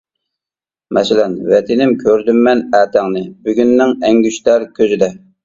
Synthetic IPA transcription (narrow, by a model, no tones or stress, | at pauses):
mʔɛsɪlɛnvɛt̪ʰɪnɪmkʲʰøɾd̪ymːɛnæːt̪ʰæŋnɪbyɡʲynːɪŋɛŋɡʲyʃt̪æɾkʲʰøzɪd̪ɛ